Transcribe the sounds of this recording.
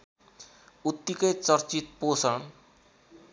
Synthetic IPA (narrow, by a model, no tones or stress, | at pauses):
ut̪ːikʌjt͡sʌrt͡sit̪̚posʌɳ̃